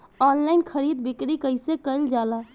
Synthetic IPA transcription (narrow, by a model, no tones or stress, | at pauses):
ɔnlaɪnkʰəɾid̪̚bikɾikəɪsekəɪld͡ʒala